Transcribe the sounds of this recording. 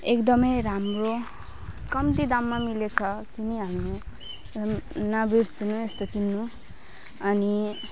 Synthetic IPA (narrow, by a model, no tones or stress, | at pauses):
ekd̪ʌmʌjɾamro | kʌmt̪id̪amːamilet͡sʰʌkiniɦamnu | nabirsinuest̪okinːu | ʌni